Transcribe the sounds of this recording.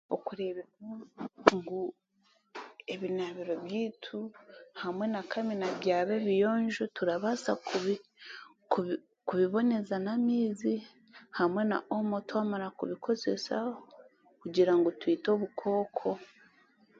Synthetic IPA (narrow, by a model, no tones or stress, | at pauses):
okuɾeβemuŋɡu | eβinaβiɾo̞βjiːtʰuhamwe̞nakʰaminaβjaːβe̞βijo̞ːɲʒotuɾaβasa̰kuβi | ku | kuβiβo̞ne̞zanamiːzi | hamwe̞na̰ʔomo̞twaːmaɾakuβikʰo̞ze̞̰sao | kuɟiɾaŋɡotwiːto̞βukʰo̞ːkʰo̞